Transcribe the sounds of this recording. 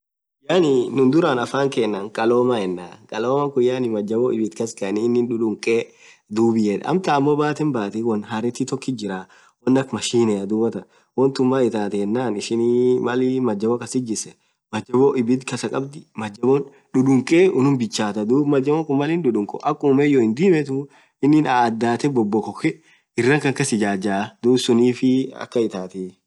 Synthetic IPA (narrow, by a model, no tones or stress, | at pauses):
k | jaːninʊnd̪ʊɾanɐfaːŋkeːnːaːŋkʼɐloːmahɛnːaːkʼɐloːmɐŋkʊjaːnɪmɐd͡ʒːɐboʔɪbɪt̪kɐskɐninːɪnᶑʊᶑʊŋkʼeː | d̪uːbɪjɛᶑɐ̰ɐ̰mt̪aːmːoːbaːt̪ɛnbaːt̪iwɐnɦaɾɛt̪ːit̪ɔkːɪd͡ʒɪɾaː | wɐnːɐkmɐʃiːnɛɐd̪ʊbɐt̪ɐ | wɔnt̪ʊmːaːɪt̪aːt̪ɛɛnːaːnɪʃɪnimɐlimɐd͡ʒːɐbɔkɐsɪd͡ʒːɪsɛ | mɐd͡ʒɐbɔʔɪbɪt̪kɐsɐkʼɐbd̪ɪmɐd͡ʒːɐbɔn | ᶑʊᶑʊŋkʼeʊnʊmbɪt͡ʃːaːt̪ɐd̪uːbmɐd͡ʒːɐbɔŋkʊmmɐlɪnɗʊᶑʊŋkʼɔ̰ʔɐkːʊmɛjɔɪnd̪iːmɛt̪ʊ | ɪnːɪnad̪ːaːt̪ɛbɔbːɔkɔkːɛ | ɪrːɐŋkɐŋkɐsɪd͡ʒaːd͡ʒaːd̪uːsʊniːfɪɐ̰kːɐɪt̪aːt̪i